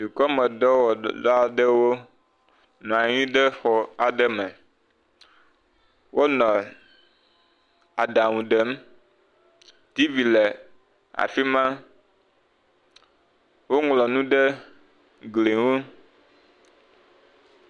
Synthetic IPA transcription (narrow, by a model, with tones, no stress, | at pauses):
si˨kɔ˦mɛ̃˨dɔ˦wɔ˨la˦ɖə˦wo˦ | nɔ̃˨a˨ɲĩ˦ɖɛ˦xɔ˨a˨ɖɛ˦mɛ̃˨ | wʔo˦nɔ̃˨ | a˨ɖa˨ŋũ˨ɖɛ˦m | t̪i˦vi˨lɛ˨ | a̰˨fi˦mã˦ | wo˦ŋlɔ˨nũ˦ɖə˦ | ɡli˨wo˦